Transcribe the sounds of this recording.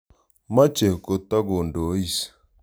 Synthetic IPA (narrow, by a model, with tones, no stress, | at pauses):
ma˦t͡ʃe˨ko˨ta˦ɡo˨ndo˨˦i˨s